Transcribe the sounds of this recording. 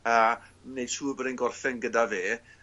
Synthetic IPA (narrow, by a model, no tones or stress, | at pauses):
əmnejd̥tʰuːbəɾɪnɡɔrθɪnɡədaveː